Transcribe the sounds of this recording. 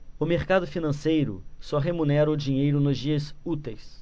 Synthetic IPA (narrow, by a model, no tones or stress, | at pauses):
ʊmeɾkad̪ʊfinɐ̃sejɾʊ̰sɔɦemũnɛɾɐʊd͡ʒĩɲejɾʊnʊzd͡ʒiɐsut̪ejs